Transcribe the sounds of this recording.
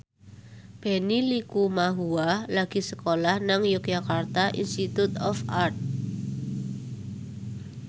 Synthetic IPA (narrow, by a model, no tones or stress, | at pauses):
b̥e̤nilikumaɦualaɡ̥i̤səkolahnaŋjʊk̚jakart̪aʔinst̪it̪ut̪ɔfart̪̚